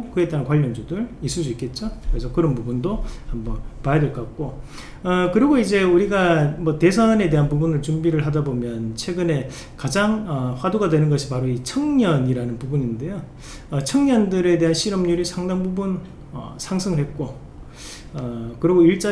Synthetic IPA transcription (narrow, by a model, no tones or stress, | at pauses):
kɯetdeɦankwaʎːʌnd͡ʑudɯɾis͈ʰus͈uik͈e̞t̚t͡ɕ͈okɯesʰʌkɯɾʌnpubundohambʌnpajadeɭk͈ak̚k͈o | ʌkɯɾiɡoid͡ʑe̞uɾiɡamʌte̞sʰʌne̞de̞ɦanpubunɯɭt͡ɕumbiɾɯɭɦadabomjʌnt͡ɕʰwe̞ɡɯne̞ | kad͡ʑaŋʌɸwaduɡadwe̞nɯnɡʌɕʰipaɾoit͡ɕʰʌŋɲʌɲiɾanɯnpubuɲinde̞jo | ʌt͡ɕʰʌŋɲʌndɯɾe̞de̞ɦanɕʰiɾʌmɲuɾisʰaŋdaŋbubun | ʌ̰sʰaŋsʰɯŋɯɭɦet̚k͈o | ʌkɯɾiɡoiɭt͡ɕ͈a